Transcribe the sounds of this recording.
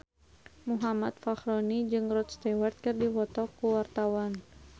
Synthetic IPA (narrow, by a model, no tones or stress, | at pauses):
muɦamat̪̚faxɾɔnid͡ʒɨŋrɔt̪̚st̪ɛwart̪̚kɨrdiwɔt̪ɔkuwart̪awan